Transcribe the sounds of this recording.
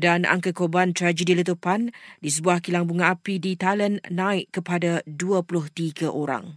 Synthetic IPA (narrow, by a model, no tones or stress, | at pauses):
dana̰ŋkakobant̪ɾad͡ʒədilət̪upandisəbuahkilaŋbuŋãapidit̪alənːãɪʔ̚kəpadaduapulʊht̪iɡaʔoɾa̰ŋ